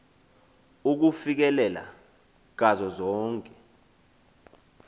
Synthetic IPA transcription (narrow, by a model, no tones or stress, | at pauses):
uk̬ufik̬ɛlɛla̰ | k̬azɔzɔːŋkʼɛ̥